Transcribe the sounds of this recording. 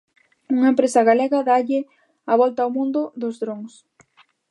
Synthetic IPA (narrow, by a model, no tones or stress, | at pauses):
uŋɐempɾesɐɣaleɣɐðaʎɪ | aβɔlt̪aomũnd̪ʊðʊzðɾoŋs